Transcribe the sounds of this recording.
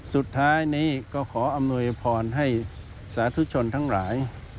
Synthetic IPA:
su˨˩t̪ʰːaː˦˥jniː˦˥˩kɔː˥˩kʰɔː˩˦ʔa˧mnu˧əjpʰɔː˧nɦa˥˩j | saː˩˦˥t̪ʰu˦˥t͡ɕʰo˧nt̪ʰa˦˥˩ŋlaː˩˦j

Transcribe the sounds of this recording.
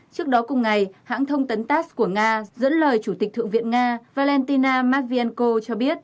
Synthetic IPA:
t͡ɕɨ˦˥ək̚ɗɔ˨˦kʊ˨˧˩ŋ͡mŋa˨˩jha̰ː˧˥ŋt̪ʰə˧wŋ͡mt̪ə˨˦nt̪aː˦˥sku˧˩əŋaː˧zə̰˧˥nləː˨˩jt͡ɕu˧˩t̪i̟˨˩t̪ʰɨ˧˨ŋvḭ˧˨ənŋaː˧vaː˧lɛ˧nt̪i˧naː˧maː˦˥t̚vi˧ɛ˧nko˧t͡ɕɔ˧ɓi˦˥ət̚

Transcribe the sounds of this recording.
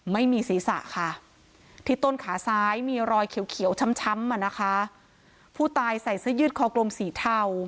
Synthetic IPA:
ma˥˩jmiː˧siː˨˩˦sa̰˨˩ʔkʰa˥˩ | t̪ʰiː˧˩t̪o˥˩nkʰaː˩˦saː˦˥jmiː˧ɾɔː˧jkʰi˨˩˦wkʰi˨˩˦wt͡ɕʰa˧˥mt͡ɕʰa˦˥mʔa˨˩na˦˥kʰa˦˥ | pʰuː˥˩t̪aː˧jsa˨˩jsɯ˦˥jɯː˦˥t̪̚kʰɔː˧˩klo˧msiː˩˦t̪ʰa˥˩w

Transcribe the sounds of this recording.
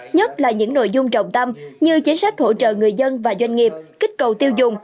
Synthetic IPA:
ɲə˦˥t̚laː˨˩ɲɨ̰˧˥ŋno̰˧˨jzʊ˧ŋ͡mt͡ɕə̰˨wŋ͡mt̪ə˧mɲɨ˧t͡ɕi˨˦nsa˦˥jk̟̚ho̰˧˩t͡ɕə̰ː˧˨ŋɨ˨˩əjzə˧nvaː˨˩zwa˧jŋ̟ŋi˨˩əp̚ki˦˥k̟̚kə˨˩wt̪i˧əwzʊ˨˩ŋ͡m

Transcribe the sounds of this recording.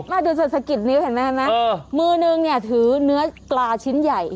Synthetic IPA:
maː˧˩duː˧seː˨˩t̪sʰa˧ki˨˩t̪̚ni˦˥whi˨˩˦maː˧˥a˧˩maː˦˥˧mɯː˧nɯ˧ŋni˧˩ət̪ʰɯː˩˦nɯ˦˥ɐklaː˧t͡ɕʰi˦˥nja˨˩j

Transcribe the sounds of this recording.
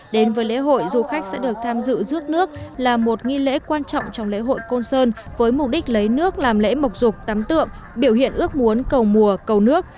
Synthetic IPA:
ɗe˨˦nvəː˨˦jlḛ˧˥ɦo̰˧˨jzu˨˩xa˦˥jk̟̚sɛ̰˧˥ɗɨ˨˩ək̚t̪ʰaː˧mzɨ̰˧˨zɨ˦˥ək̚nɨ˦˥ək̚laː˨˩mo˨˩t̚ŋi˧lḛ˧˥kwaː˧nt͡ɕɔ̰˧˨wŋ͡mt͡ɕɔ˧wŋ͡mlḛ˧˥ɦo̰˧˨jko˧nsəː˧nvəː˨˦jmʊ˨˩k͡p̚ɗï˦˥k̟̚lə˨˦jnɨ˦˥ək̚laː˨˩mlḛ˧˥mə˨˩wk͡p̚zʊ˨˩k͡p̚t̪aː˨˦mt̪ɨ̰˧˨əŋ | ɓi˧˩əwhḭ˧˨ənʔɨ˦˥ək̚mu˨˦ənkə˨˩wmu˨˩əkə˨˩wnɨ˦˥ək̚

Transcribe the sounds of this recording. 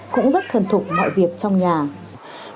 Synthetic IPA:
kʊ̰˧˥ŋ͡mzə˦˥t̚t̪ʰə˨˩nt̪ʰu˨˩k͡p̚mɔ̰˧˨jvi˨˩ək̚t͡ɕɔ˧wŋ͡mɲaː˨˩

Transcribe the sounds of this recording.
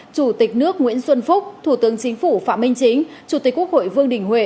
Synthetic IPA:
t͡ɕu˧˩t̪ï˨˩k̟̚nɨ˦˥ək̚ŋwḭ˧˥ənswə˧nfʊ˦˥k͡p̚t̪ʰu˧˩t̪ɨ˨˦əŋt͡ɕï˨˦ŋ̟fu˧˩fa̰ː˧˨mï˧ŋ̟t͡ɕï˨˦ŋ̟t͡ɕu˧˩t̪i˨˩kːu˦˥ək̚ho̰˧˨jvɨ˧əŋɗï˨˩ŋ̟hwe˧˩

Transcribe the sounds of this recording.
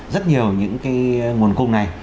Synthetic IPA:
zə˦˥t̚ɲi˨˩əwɲɨ̰˧˥ŋkaː˨˦jŋu˨˩ənkʊ˧ŋ͡mna˨˩j

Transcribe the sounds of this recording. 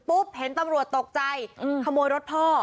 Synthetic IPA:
pu˦˥p̚he˩˦nt̪a˧mɾu˨˩ət̪ːo˨˩k̚t͡ɕa˧jʔkʰa˧moː˧jɾo˦˥t̪̚pʰɔː˥˩

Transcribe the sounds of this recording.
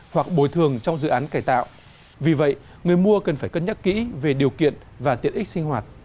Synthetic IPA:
hwa˨˩k̚ɓo˨˧˩jt̪ʰɨ˨˩əŋt͡ɕɔ˧wŋ͡mzɨ̰˧˨ʔaː˨˦nkaː˧˩jt̪a̰ː˧˨wʔ | vi˨˩və̰˧˨j | ŋɨ˨˩əjmu˧əkə˨˩nfaː˧˩jkə˧nɲə˦˥t̚kḭ˧˥ve˨˩ɗi˨˩əwkḭ˧˨ən | vaː˨˩t̪i˨˩ənʔï˦˥k̚sï˧ŋ̟hwaː˨˩t̚

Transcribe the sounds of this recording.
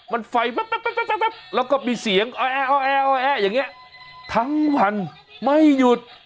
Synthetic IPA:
ma˧nfa˧jma˦˥p̚a˦˥˩pa˥˩a˥pa˦˥pa˦˥˩p̚lɛː˦˥wkɔː˥˩miː˧si˨˩˦əŋʔɔː˧ʔɛː˧˩ʔɔː˧˩ʔɛː˧˩ʔɔː˧ʔɛː˧˩jaː˨˩ŋːi˦˥ɐ | t̪ʰa˦˥ŋwa˧n | ma˥˩jju˨˩t̪̚

